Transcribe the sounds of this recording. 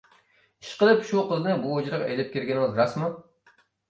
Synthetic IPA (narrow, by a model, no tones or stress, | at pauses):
iʃqəlˠɨpʃuqəznɨbuod͡ʒɾɨʁḛjlɪp̚kʲʰeɾɡʲɪnɪŋɪzɾɑsmu